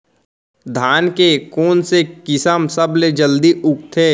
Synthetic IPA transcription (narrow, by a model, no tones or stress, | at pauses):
d̪ʱaːnkekoːnsekɪsəmsəbled͡ʒəld̪iʔʊk̚t̪ʰeː